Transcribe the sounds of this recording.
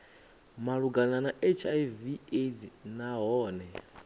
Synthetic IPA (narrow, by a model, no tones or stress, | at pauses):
maɺuɡananaʔet͡ʃʰaivied͡zinaɦɔːnɛ